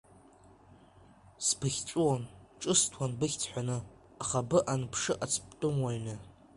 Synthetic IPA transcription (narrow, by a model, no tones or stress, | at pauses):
spʰɨχʲt͡sʷʼuwanʈ͡ʂʼɨstʰwanbɨχʲt͡sʰħʷanɨ | aχabɨʔanpʰʂɨʔat͡sʰpʼtʼʊmwaɥnɨ